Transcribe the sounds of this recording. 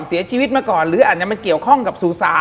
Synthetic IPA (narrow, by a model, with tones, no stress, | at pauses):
si˩˦ɐt͡ɕʰiː˧wi˦˥t̪̚maː˧kɔː˨˩nɾɯː˨˦ʔaː˨˩t͡ɕa˧˩ma˧ki˨˩əwkʰɔ˥˩ŋka˨˩p̚suː˨˩saː˨˦